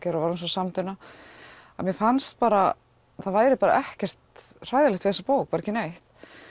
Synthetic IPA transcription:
cɛɾavaɾuns̬ɔsamt̪ʏnːa | a̰mjɛfanst̪̚paːɾa | θaðvaːjɾɪpaːɾa̰ʔɛhcɛr̥t̪r̥aːjðalɛht̪vɪθɛsːapoːwk̚paɾɛcɪnejht̪

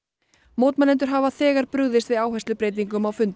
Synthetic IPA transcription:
mowt̪manɛnt̪̬ʏɾ̥ɦavaθɛːɣaɾpɾʏɣðɪst̪vɪðaːwɦɛst̪lʏpɾeːjt̪̬iŋkʏmawfʏnt̪

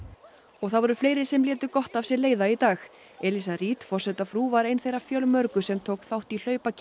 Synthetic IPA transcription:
ɔɣθavɔɾʏfleːjɾɪsɛmlɛːt̪ʏkɔht̪avsjɛleːjðait̪aːx | ɛlis̬aɾiːt̪fɔr̥sɛt̪afɾuːvaɾejnθejɾafjœlmœɾkʏsɛmt̪ʰoːwkθawht̪il̥œːɥpacʰ

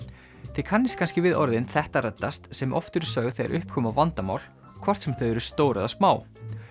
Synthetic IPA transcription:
θɪkʰanːɪskʰanscɪvɪðɔɾðɪnθɛht̪arɛt̪ːast̪sɛmʔɔ̰ft̪ʏɾsœːɣθejɣa̰ɾʔʏhp̚kʰɔːmavant̪ama̰wl̥ | kʰvɔr̥t̪sɛmθœɥɛɾʏst̪oːwɾaðasmaːw

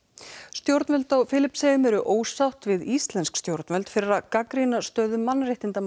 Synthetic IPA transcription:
st̪jowɾt̪nɛlt̪awfɪːlɪpsejʏmɛɾʏʔoːwsawht̪vɪðist̪lɛnskst̪jowɾt̪nvɛlt̪fɪɾɪɾakakɾinast̪œːðʏmanːrejht̪ɪnt̪a

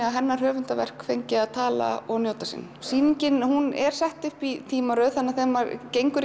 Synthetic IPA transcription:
aɦɛnːar̥hœːvʏnt̪avɛ̰r̥kfejɲcɪaðt̪ʰaːla̰ɔɣnjoːwt̪asḭnːsiːniɲcɪnhunɛɾ̥sɛht̪ʏhpit̪ʰiːmaɾœːðθanːaθɛːmːaɾcejŋkʏɾ

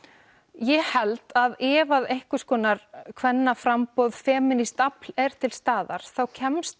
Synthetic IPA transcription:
jɛhɛlt̪aðɛːvaðejhkʏskɔːnaɾkʰvɛnːafɾampowðfɛːmɪnist̪aplɛɾ̥t̪ʰɪlst̪aːða̰ɾ̥θawcʰɛmst̪

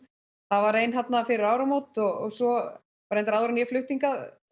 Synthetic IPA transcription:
θavaɾejnɦat̪nafɪɾɪɾaːwɾamowt̪ɔɣɔ̰ɣsɔ | vɾɛjnt̪aɾaːðʏɾanjɛflʏht̪iŋkað

